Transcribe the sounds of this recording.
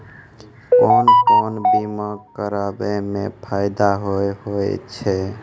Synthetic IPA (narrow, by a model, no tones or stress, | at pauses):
konkɔnbiməɡkəɾabemẽpʰajd̪aɦoehoḛt͡ʃʰɛ